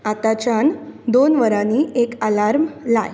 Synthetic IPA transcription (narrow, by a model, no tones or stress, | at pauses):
at̪at͡ɕand̪onʋəɾaniːʔekalaɾmlaj